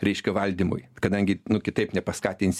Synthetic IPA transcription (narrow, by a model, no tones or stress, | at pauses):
ɾʲɛɪʃʲkʲɛʋɐlʲd̪ʲiːmʊ̰jkɐd̪ɐŋʲɡʲɪnʊkʲɪt̪ɐɪpnʲɛpɐskɑːt̪ʲɪnʲsʲ